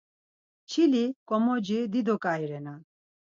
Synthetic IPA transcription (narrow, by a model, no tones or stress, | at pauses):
t͡ʃʰilikɔmod͡ʒid̪id̪ʱokaːiɾɛna